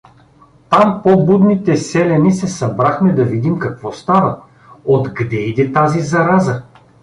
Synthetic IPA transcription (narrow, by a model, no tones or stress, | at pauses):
t̪ampobud̪nit̪ɛsɛlʲɛnisɛsɐbɾaxmɛd̪ɐvid̪imkɐkvɔst̪avə | od̪ɡd̪ɛid̪ɛt̪azizɐɾazə